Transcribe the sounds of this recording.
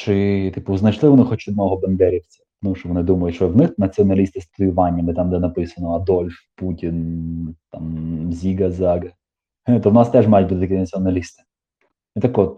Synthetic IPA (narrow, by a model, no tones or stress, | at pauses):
t͡ʃɪt̪ipʊznɐt͡ʃlˠɪʋɔnɪxɔt͡ʃɔd̪nɔɦɔbɐnd̪ɛɾʲiwt͡sʲɛ̥ | nut͡ʃɪʋɔnɪd̪umɐjʊt̪ʲt͡ʃɔwnɪxnɐt͡sʲiɔnɐlʲist̪ɪst̪ʊjʊʋɑnʲːɐnɪt̪amd̪ɛnɐpɪsɐnɔɐd̪ɔlʲfputʲint̪ɑmzʲiɡɐzɑɡɐ | ht̪ɔwnɑst̪ɛʐmɑjt̚ʲbut̪ɪt̪ɐkʲinɐt͡sʲiɔnɐlʲist̪ɪ̥ | ɛt̪ɐkɔt̪̚